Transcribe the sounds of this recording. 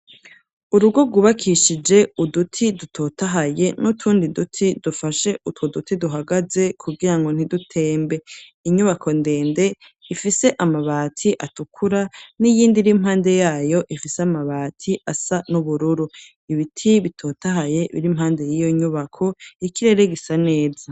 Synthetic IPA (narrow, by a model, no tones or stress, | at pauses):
uɾuɡo̞ɡuβakʰiʃid͡ʒe̞udutʰidutʰo̞ːtaɦaje̞nutʰuːndidutʰidufaʃe̞ʔutwodutiduɦaɡaze̞kʰuɡiɾaŋɡo̞n̥idutʰe̞ːmbe̞ | iɲuβakʰo̞nde̞ːnde̞ | ifise̞ʔamaβaːtʰiʔatukʰuɾanijiːndiɾimhaːnde̞jaːjo̞ʔifiseamaβaːtʰiasanuβuɾuɾu | iβitʰiβitʰo̞ːtaɦaje̞βḭɾim̥haːnde̞jijo̞iɲuβakʰo̞ikiɾe̞ɾe̞ɡisane̞ːza